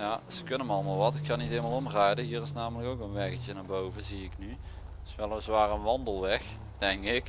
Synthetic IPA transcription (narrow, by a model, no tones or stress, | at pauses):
jaz̥əkɵnəmɑlˠəmalˠʋɑtɪkkɑnitejlmalˠɔmrajdəɦiːrɪsnaːmələkowkənʋɛkəcənaːɹbowvəziɪkny | sʋɛlˠəzʋaːrənʋɑndəlˠʋɛx | d̥ɛŋkɪk